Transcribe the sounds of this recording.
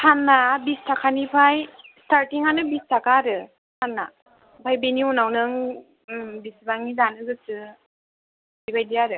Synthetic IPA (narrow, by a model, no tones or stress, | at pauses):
tʰanːabistʰakʰanipʰajstaɾtiŋanɯbistʰakaɾɯ | tʰanːa | pʰajbeniunawnɯŋ | bisbaŋidanɯɡɯsɯ | bibajdijaɾɯ